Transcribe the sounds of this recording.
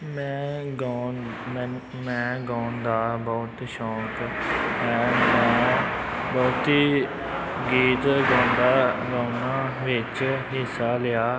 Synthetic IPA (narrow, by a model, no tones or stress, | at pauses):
mɛ̃ːɡa | mɛ̃ːɡãːnd̪aːbɔːt̪ʃɔːk | ɛ̃ːmɛ̃ | bɔːt̪i | ɡiːt̪ɡãːnd̪aːɡãːʊnãːʋɪt͡ʃɦɪsaːlɪjaː